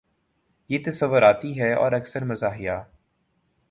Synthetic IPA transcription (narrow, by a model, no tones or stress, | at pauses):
jeːt̪ɐsəʋːʊɾaːt̪iɦɛɔ̰ːɾɐksəɾmɐzaːɦɪjaː